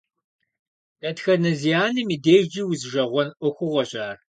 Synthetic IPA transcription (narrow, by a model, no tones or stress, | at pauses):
dɐtxɐnɐzijaːnɨmiːdeːʒd͡ʒiːwʊzʒɐʁʷɔnʔʷʊxʷʊʁɔɕʼaːr